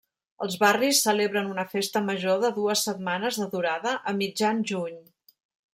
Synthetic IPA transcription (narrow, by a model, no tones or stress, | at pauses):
əlˠzβarisːəleβɾənunəfest̪əməʒoðəðuəsːət̪̚manəzðəðuɾaðəʔəmid͡ʒanʒuɲ